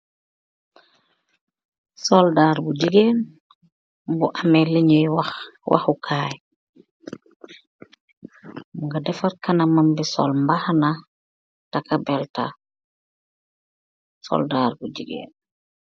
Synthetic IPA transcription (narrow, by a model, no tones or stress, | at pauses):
soldaːɾbuɟiɡen | buʔameliɲujwwa̰xukʰaːj | uŋɡadɛfaɾkanamambisɔ̰lmbahana | takabɛlta̰ | so̰ldaɾbuɟiɡḛːn